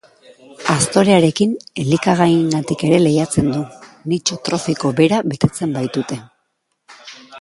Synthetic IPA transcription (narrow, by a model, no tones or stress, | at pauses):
ast̪o̞ɾeaɾe̞kinelikaɣ̞ajŋɡat̪ike̞ɾe̞le̞jat͡se̞nd̪unit͡ʃot̪ɾo̞fiko̞be̞ɾaβe̞t̪e̞t͡se̞mbajt̪ut̪e̞